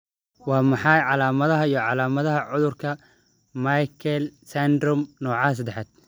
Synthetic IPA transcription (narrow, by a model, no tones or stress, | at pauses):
wɑːmɑħɑjʕɑlaːmɐðɐɦɐijɞʕɑlaːmɐðɐɦɐʕʊðʊrkʰɐ | mɐjkʰɛlsɛnd̪ɾɔmnɔːʕɑːɐs̬ɐd̪ɛħaːd̪̥̚